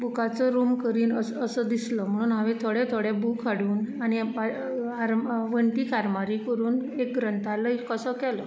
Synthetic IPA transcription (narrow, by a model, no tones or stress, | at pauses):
bukat͡sɔɾumkəɾiːnəsəsəd̪islɔm̤əɽ̃uːnɦaʋẽt̪ʰoɽɛt̪ʰoɽɛbukʰːaɽuːnaɽ̃i | aɾmʋəɳʈiːkaɾmaɾiːkəɾuːnek̚ɡɾənt̪ʰaləikəsəkɛlɔ